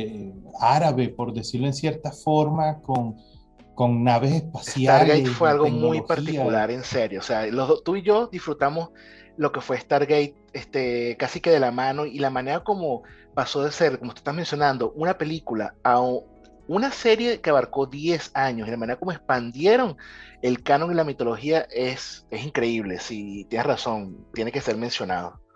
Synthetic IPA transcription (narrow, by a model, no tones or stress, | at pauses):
aɾaβepoɾd̪esiɾloensje̞ɾt̪afo̞ɾmakoŋ | koŋnaβesespasesjt̪aɾlɣejt̪fwe̞alɣo̞mujppaɾt̪ikulaɾe̞nse̞ɾjoːsealoðot̪uiʝo̞d̪isfɾut̪amo̞s | lo̞ke̞fwe̞ːst̪aɾɣejt̪̚est̪e̞kasike̞ðe̞lamãno̞ilamãne̞ɾako̞mo̞ | paso̞ðe̞se̞ɾkomot̪ue̥t̪ahme̞nsjo̞nãnd̪o̞ʔunape̞likulaauŋ | unase̞ɾje̞ke̞aβaɾko̞ðje̞saɲosilamane̞ɾako̞moe̞spand̪je̞ɾo̞ŋe̞lkanõ̞ŋilamit̪o̞lo̞xiaʔe̞se̞siŋkɾe̞iβ̞le̞̰sit̪jeneraso̞nt̪je̞neke̞se̞ɾme̞nsjo̞na̰ð̞o